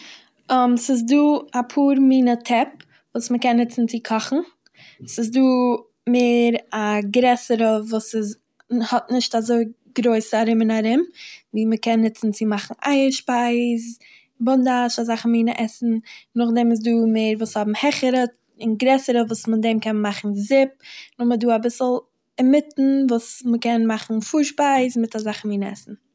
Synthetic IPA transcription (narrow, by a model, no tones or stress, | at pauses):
ɔmsɪz̬duːapʰuːɾmiːnətʰɛp | vuːsməkɛnhɪt͡sn̩t͡sɪkʰɔχn̩ | sɪsduː | meːɾaɡɾɛsəɾəvuːsɪz | hɔt̚nɪʃtazoɪ | ɡɾoɪsəaɾɪmɪnaɾɪmviːməkɛnːɪt͡sn̩t͡sɪmaχn̩ʔa̰ɪəɾʃpaɪz | bʊndaʃazaχn̩miːnəʔɛsn̩nʊχdɛmɪs̬duːmeɪɾvuːshɔbm̩hɛχəɾə | ɪnɡɾɛsəɾəvuːsmədɛmkɛnmaχn̩zɪp̚nʊχməduːabɪsl̩ˠ | ɛmɪtn̩vuːsməkɛnmaχn̩fuːɾʃpaɪzmɪtazaχn̩miːnəɛ̰sn̩